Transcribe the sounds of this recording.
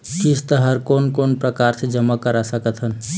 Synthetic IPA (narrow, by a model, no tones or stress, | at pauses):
kist̪əɦəɾkonkonpɾəkaɾsed͡ʒəmːakəɾasəkət̪ɦən